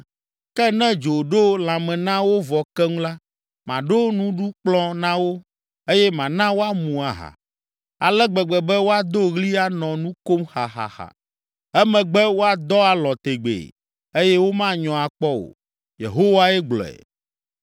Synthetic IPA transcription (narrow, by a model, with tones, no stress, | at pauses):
kɛ˦nɛ̃˦d͡ʒo˨ɖo˦l̃ã˨mɛ̃˨nã˦wo˦vɔ˨kɛ˦ŋũ˦la˦ | mã˨ɖo˦nũ˦ɖu˦k͡plɔ̃˦nã˦wo˦ | e˦jɛ˦mã˨nã˦wo˦a˦mũ˨a˨ɦa̰˨ | a˨lɛ˦ɡ͡bɛ˨ɡ͡bɛ˨bɛ˦wo˦a˦d̪o˦ɣli˦a˦nɔ̃˨nũ˦ko˦mxa˨xa̰˨xa̰˨ | ɛ˦mɛ̃˨ɡ͡bɛ˦wo˦a˨d̪ɔ˦a˨lɔ̃˨t̪e˨ɡ͡bḛ˨ | e˦jɛ˦wo˦mã˦ɲɔ̃˨a˨k͡pɔ˦o̰˨ | jḛ˨ɦo˦wa˦ɛ˦ɡ͡blɔ̰˨ɛ̰˨